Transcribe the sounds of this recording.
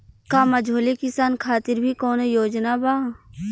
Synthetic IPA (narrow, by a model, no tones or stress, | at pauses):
kamɐd͡ʒʱoːlekɪsaːnkʰaːt̪ɪɾbʱikɔːnejoːd͡ʒnabaː